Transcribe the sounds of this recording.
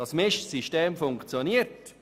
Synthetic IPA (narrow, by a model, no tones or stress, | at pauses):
ɑsmɪʃsiʃteːmfʊŋkt͡sjoniəɾt